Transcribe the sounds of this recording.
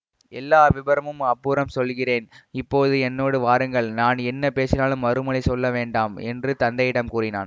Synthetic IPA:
ɛlːaːʋɪbɐɾɐmɯmɐpːuːɾɐmsɔlɣɪreːnɪpːoːðɯɛnːoːɽɯʋaːɾɯŋɡɐɭnaːnɛnːɐpeːsɪnaːlɯmːɐɾɯmɐɭɐɪsɔlːɐʋeːɳɖaːmɛ̰ndrɯt̪ɐnd̪ɐjɪɽɐmkuːrɪna̰ːn

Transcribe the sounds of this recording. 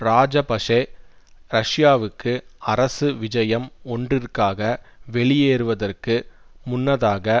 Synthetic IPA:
ɾaːd͡ʒɐpɐʂɐ | ɾɐʂjaːʋɯkːɯɐɾɐsɯʋɪd͡ʒɐjɐmɔndrɪrkaːɣɐ | ʋɛɭɪjeːɾɯʋɐðɐrkɯmʊnːɐðaːɣɐ

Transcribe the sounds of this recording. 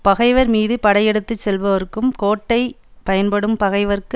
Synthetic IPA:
pɐɣɐɪʋɐɾmiːðɯpɐɽɐjɛɽɯt̪ːɯt͡ʃsɛlʋɐʋɐɾɯkːɯmkoːʈːɐɪ | pɐjɐnpɐɽɯmpɐɣɐɪʋɐɾk

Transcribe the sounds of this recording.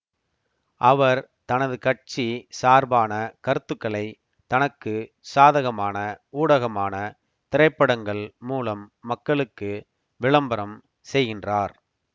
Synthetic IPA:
ʔɐʋɐɾ | t̪ɐnɐðɯkɐʈ̚t͡ʃisaːɾbaːnɐkɐɾɯt̪ːɯkːɐɭɐɪ | t̪ɐnɐkːɯ | saːðɐɣɐmaːnɐuːɽɐɣɐmaːnɐ | t̪ɪɾɐɪpːɐɽɐŋɡɐɭmuːlɐmːɐkːɐɭɯkːɯ | ʋɪɭɐmbɐɾɐm | sɛjɣɪndraːɾ

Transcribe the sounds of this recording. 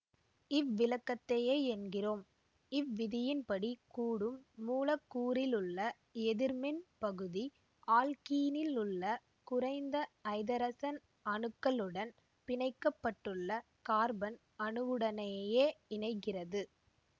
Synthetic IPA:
ɪʋːɪlɐkːɐt̪ːɐjeːɛnɡɪroːm | ɪʋːɪðɪjɪnpɐɽikuːɽɯmːuːlɐkːuːɾɪlɯɭːɐ | ɛðɪɾmɪnpɐɣɯði | aːlkiːnɪlʊɭːɐ | kʊrɐɪnd̪ɐɐɪðɐɾɐsɐn | ɐɳɯkːɐlɯɽɐn | pɪɳɐɪkːɐpːɐʈːɯɭːɐ | kaːɾbɐn | ɐnɯʋɯɽɐnɐjjeːɪɳɐɪkːɪrɐðɯ

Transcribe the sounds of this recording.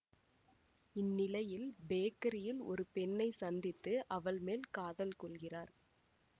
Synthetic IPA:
ɪnːɪlɐjɪlbeːkɐɾɪjɪlɔ̰ɾɯpɛnːɐɪsɐnd̪ɪt̪ːɯʔɐʋɐɭmeːlkaːðɐlkɔɭɣɪraːɾ

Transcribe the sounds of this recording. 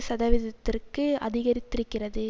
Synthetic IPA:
sɐðɐʋɪðɐt̪ːɪrkɯɐ̰ðɪɣɐɾɪt̪ːɪɾɯkːɪrɐðɯ

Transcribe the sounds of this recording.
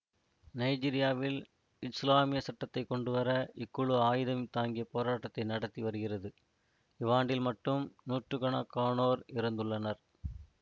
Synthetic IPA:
nɐɪd͡ʒiːɾɪjaːʋɪl | ɪslaːmɪjɐsɐʈːɐt̪ːɐɪkɔɳɖɯʋɐɾɐʔɪkːɯɭɯaːjɪðɐmɪt̪aːŋɡɪjɐpoːɾaːʈːɐt̪ːɐɪnɐɽɐt̪ːiʋɐɾɯɣɪrɐðɯ | ɪʋaːɳɖɪlmɐʈːɯmnuːʈrɯkɐɳakaːɳoːɾɪɾɐnd̪ɯɭːɐnɐɾ

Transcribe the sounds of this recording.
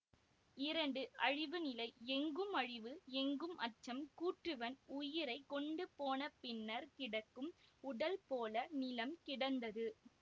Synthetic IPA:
ɪɾɐɳɖɯɐɻɪʋɯnɪlɐɪɛŋɡɯmɐɻɪʋɯɛŋɡɯmʔɐʈt͡ʃːɐmkuːʈrɯʋɐnʊjɪɾɐɪkːɔɳɖɯpoːnɐpɪnːɐɾkɪɽɐkːɯmʊɽɐlpoːlɐnɪlɐmkɪɽɐnd̪ɐðɯ

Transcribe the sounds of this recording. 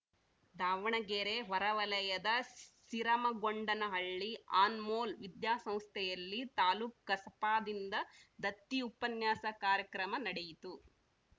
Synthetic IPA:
d̪aːʋɐɳɐɡeːɾeʋɐɾɐʋɐlɐjɐd̪ɐsiɾɐmɐɡoɳɖɐnɐɦɐɭːiaːnmoːlʋid̪jaːsɐ̃m̃st̪ʰɛjɐlːit̪aːluːkːɐsɐpaːd̪ind̪ɐd̪ɐt̪ːiupɐnjaːsɐkaːɾjɐkɾɐmɐnɐɽejit̪u

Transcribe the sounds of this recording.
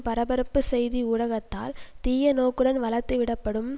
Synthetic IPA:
pɐɾɐbɐɾɐpːɯsɛjðiʊɻɐɣɐt̪ːa̰ːlt̪iːjɐnoːkːɯɽɐnʋɐlɐt̪ːɯʋɪɽɐpːɐɽɯm

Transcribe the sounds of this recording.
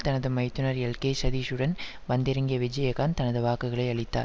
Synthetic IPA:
t̪ɐnɐðɯmɐɪt̪ːɯnɐɾɛlkeːsɐðiːʂɯɽɐn | ʋɐnd̪ɪɾɐŋɡɪjɐʋɪd͡ʒɐjɐɣaːnt̪ɐnɐðɯʋaːkːɯɣɐɭɐɪɐɭɪt̪ːa̰ːɾ

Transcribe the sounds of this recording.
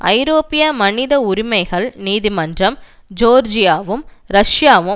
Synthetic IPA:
ɐ̰ɪɾoːpɪjɐmɐnɪðɐʊɾɪmɐɪɣɐɭniːðimɐndrɐm | d͡ʒoːɾd͡ʒɪjaːʋɯmɾɐʂjaːʋɯ

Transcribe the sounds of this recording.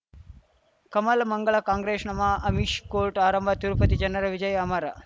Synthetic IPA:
kɐmɐlmɐŋɡɐɭɐkaːŋɡɾeːʂnɐmaʔɐmiʃkoːɾʈaːɾɐmbʱɐt̪uɾupɐt̪id͡ʒɐnːɐɾɐʋid͡ʒɐjɐmɐɾɐ

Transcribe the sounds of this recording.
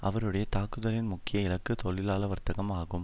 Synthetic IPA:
ʔɐʋɐɾɯɽɐjɐt̪aːkɯðɐlɪnmʊkːɪjɐɪlɐkːɯt̪ɔɭɪlaːlɐʋɐɾt̪ɐɣɐmaːɣɯm

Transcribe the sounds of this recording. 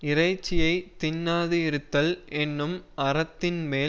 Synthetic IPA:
ɪɾɐɪt͡ʃːɪjɐɪt̪ɪnːaːðɯɪɾɯt̪ːɐlʔɛnːɯmɐɾɐt̪ːɪnmeː

